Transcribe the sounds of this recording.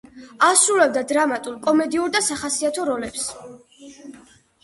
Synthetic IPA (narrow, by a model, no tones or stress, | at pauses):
asɾulɛb̚d̪ad̪ɾamat̪ʼulˠkʼɔmɛd̪iuɾd̪asaχasiat̪ʰɔɾɔlɛps